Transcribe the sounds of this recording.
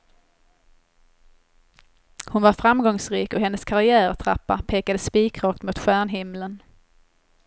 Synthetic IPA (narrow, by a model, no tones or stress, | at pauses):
hʊnvaɾfɾamɡɔŋsɾiːkɔɦɛnːəskʰaɾɪæːɾt̪ʰɾa̰pːa̰pʰeːkad̪əspiːkɾɑːk̚t̪mʊːt̪ɧæːɳɦɪmlən